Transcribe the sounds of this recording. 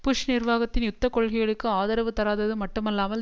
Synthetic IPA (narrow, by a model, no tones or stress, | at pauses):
pʊʂnɪrʋaːɣɐt̪ːɪnjʊt̪ːɐkːɔɭɣɪɣɐɭɯkːɯaːðɐɾɐʋɯt̪ːɐɾaːðɐðɯmɐʈːɯmɛlːaːmɐl